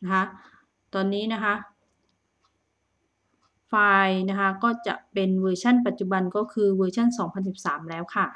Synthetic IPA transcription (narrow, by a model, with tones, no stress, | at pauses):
na˥kʰa˦˥ | t̪ɔː˧nːiː˦˥na˦˥kʰa˦˥ʔ | faː˧jna˦˥kʰa˦˥kɔː˥˩t͡ɕa̰˨˩ʔpe˧nwɤː˧t͡ɕʰa˥˩˨npa˨˩t̪̚t͡ɕu˨˩ba˧nkɔː˥˩kʰɯː˧wəː˧t͡ɕʰa˥˩nsɔː˩˦ŋpʰa˧nsi˨˩p̚saː˩˦mlɛː˦˥wkʰa˥˩